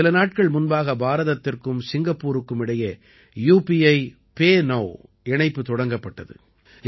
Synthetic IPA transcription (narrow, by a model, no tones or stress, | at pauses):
ɪlɐnaːʈkɐɭmʊnbaːɣɐbaːɾɐðɐt̪ːɪrkɯmsɪŋɡɐpːuːɾɯkːɯmɪɽɐjɐ | juːpiɐɪ | peːnɐʋ | ɛɳɐɪpːɯt̪ɔɽɐŋɡɐpːɐʈːɐðɯ̰